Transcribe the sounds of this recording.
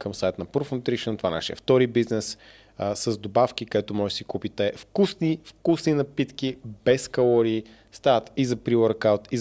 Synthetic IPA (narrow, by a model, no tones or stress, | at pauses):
kəmsajt̪nɐpɾofnʊt̪ɾiʃənt̪ovana̰ʃiɛ̰ft̪ɔɾibiznɛs | səzd̪obafkikoɛt̪omɔʒɛsikupit̪ɛfkusnifkusninɐpit̪k̟ibɛskɐlˠɔɾiː | st̪at̪izɐpɾiwəɾkawt̪i